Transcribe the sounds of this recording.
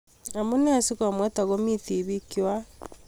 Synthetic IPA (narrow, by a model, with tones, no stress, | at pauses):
a˨mo˦ne˦a˨si˦ka˨mwɛ˦ta˨ɣɔ˦mi˦θi˨βi˦ki˦wa˦